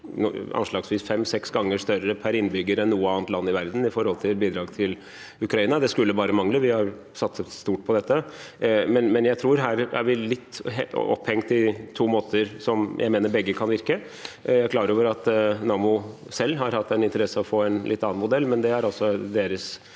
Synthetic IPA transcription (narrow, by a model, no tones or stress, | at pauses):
ʔɑ̰nʂlɑːɡsʋiːsfɛmːsɛksɡɑŋːəʂt̪œɾəpʰæɾɪnːbʏɡəɾɛnːuːəɑːnt̪lɑnːɪʋæɾd̪n̩ɪfɔɾhɔlt̪ʰɪlbiːd̪ɾɑːɡt̪ʰɪl | ʉkɾɑiːnɑd̪ɛskʉlːəbɑːɾəmɑŋləʋɪhɑɾ | sɑt̪səst̪uːʈ̚pʰɔd̪ɛt̪ːə | mɛnmɛnjæɪt̪ʰɾuːɾɦæːɾæ̰ɾʋɪlɪt̪ːɔ̰phɛŋt̪ɪt̪ʰuːmoːt̪ʰəɾsɔmjʔæɪmeːnəɾbɛɡːəkʰɑnʋɪɾkə | jæɾkʰlɑːɾəɾoːʋəɾɑt̪nɑːmʊ | sɛlːɦɑɾhɑt̪ːɛnɪnt̪əɾɛsːəɔfoːɛnlɪ̰t̪ːɑːɑnmʊd̪ɛlːmɛnd̪ɛhæɾɑlsɔd̪eːɾəs